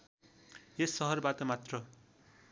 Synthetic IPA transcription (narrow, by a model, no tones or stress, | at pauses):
esːʌɦʌrbat̪ʌmat̪rʌ